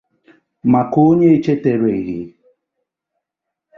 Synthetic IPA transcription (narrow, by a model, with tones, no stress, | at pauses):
ma˨ko˦ɲe˦e˦t͡ʃe˦te˨ɾe˨i˨ɦɪ̰˨